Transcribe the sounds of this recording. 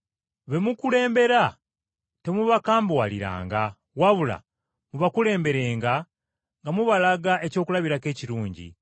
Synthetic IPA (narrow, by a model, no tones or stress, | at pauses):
βe̞mukule̞ːmbe̞ɾa | te̞muβakaːmbwaliɾa̰ːŋɡa | waβula̰ | muβakule̞ːmbe̞ɾe̞ːŋɡa | ŋɡamuβalaɡae̞co̞ːkulaβiɾake̞ːciɾuːɲɟḭ